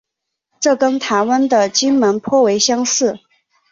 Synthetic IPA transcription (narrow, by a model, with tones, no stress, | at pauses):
ʈ͡ʂɤ˥˩kə˥nt̪ʰa˧˥ɪwə˥nd̪ə˨t͡ɕi˥nmə˧˥npʰwɔ˥˩we˧˥ɪɕjɑ˥ŋʂɻ̩˥˩